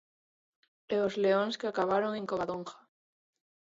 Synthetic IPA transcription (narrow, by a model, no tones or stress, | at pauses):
eozleõnskeakaβ̞aɾoŋẽŋkoβaðõŋxḁ